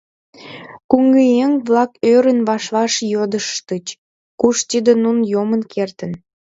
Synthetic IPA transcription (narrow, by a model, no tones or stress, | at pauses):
kuŋɡejeŋβlɑkøɾənβɑʃlɑʃjod̪əʃt̪ət͡ɕ | kuʃt̪id̪ənunjomənkʰert̪ən